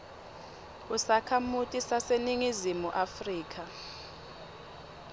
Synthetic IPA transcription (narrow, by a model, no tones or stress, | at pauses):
usakʰamutʼisaseniŋizimuʔafriːk̬ʰʼa